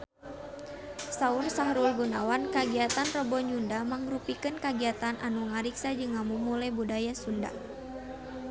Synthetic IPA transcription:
saursaɦɾulɡunawankaɡiat̪anrɔbɔɲundamaŋɾupikɨnkaɡiat̪anʔanuŋaɾiksad͡ʒɨŋːamumulɛbudajasunda̰

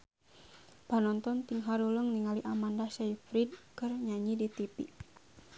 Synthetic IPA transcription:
panɔnt̪ɔnt̪iŋɦaɾuləŋniŋaliʔamandasaifɾid̚kərɲaɲidit̪ipi

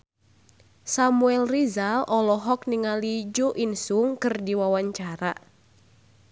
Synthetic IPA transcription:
samuɛlrizalʔɔlɔɦɔk̚niŋalid͡ʒoʔinsuŋkɨrdiwawaɲt͡ʃaɾa̰

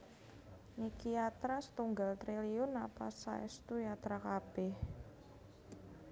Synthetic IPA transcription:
nikiat̪ɾasə̥t̪uŋɡalt̪ɾeliʊnapasa̰ɛ̰st̪ujat̪ɾakab̥ɪh

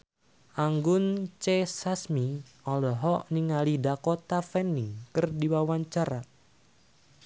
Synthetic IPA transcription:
ʔaŋɡʊnt͡ʃesasmi | ɔlɔɦɔʔniŋalidakɔt̪afɛnːikɨrdiwawaɲt͡ʃaɾa

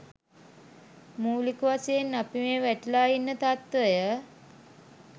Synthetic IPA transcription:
muːlikuʋaseːnːapimeʋæʈilaːinːət̪at̪ʋəjə

